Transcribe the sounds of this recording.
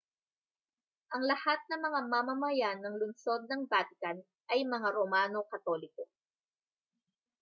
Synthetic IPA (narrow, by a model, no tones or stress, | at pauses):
ʔɐŋlɐhat̪̚nɐmɐŋamamɐmɐjanɐŋlʊnso̞d̪̚nɐŋbat̪kɐn | ʔɐjmɐŋaɾomaːno̞kɐt̪o̞lɪko